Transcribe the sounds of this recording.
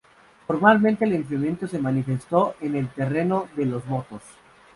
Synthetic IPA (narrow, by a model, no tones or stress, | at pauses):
foɾmalmẽnt̪eːleɱfemjẽ̞nt̪ose̞manife̞st̪o̞ʔene̞lt̪e̞reno̞ðelo̞zβot̪os